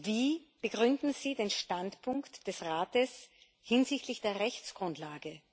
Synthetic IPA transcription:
viːb̥əɡʁʏndn̩z̥iːdeːnʃtantpʰʊŋktd̥ɛsʁaːtəs | hɪnzɪçtʰlɪçd̥eːɐʁɛçt͡sɡ̥ʁʊntlaːɡə

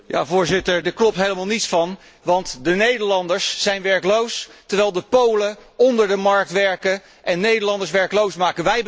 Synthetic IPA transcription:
ja̰ːvʊːɹzɪtəɹdəɹklɔp̚tɦejləmaːlˠnitsfɑn | ʋɑntdənejdəɹlɑndəɹsːɛjnʋɛɹklowstəɹʋɛjlˠdəpowləɔndəɹdəmɑɹk̚tʋɛɹkə | ʔɛnːejdəlɑndəɹs̬ʋɛɹklowsmaːkənʋɛj

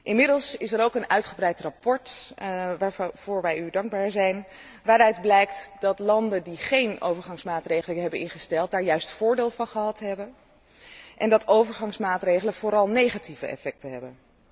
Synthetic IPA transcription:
ʔɪnmɪdəlˠsɪsɛɾowkənœɥtχəbrɛjtrapɔɹtʋavʊːɹʋɛjydɑŋɡ̚baːɹzɛjn | ʋaːɾœɥdblɛjktdɑtlɑndəndiχejno̰wvəɹχɑŋsmaːtrejχələɦɛbənɪ̰nχəstɛlˠt̚daːɹjœɥstfʊːɹdeːlˠvɑnχəɦɑtɦɛbən | ʔɛndɑtowvəɹχɑŋsmaːtrejχələv̥oɾɑlˠnejχativə̰ɛ̰fɛk̚təɦɛbən

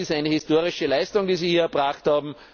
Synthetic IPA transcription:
ɪstaɪnəhɪstoːɐʁɪʃəlaɪstʊŋdiːziːhiːɐɛɐbʁaχthaːbm̩

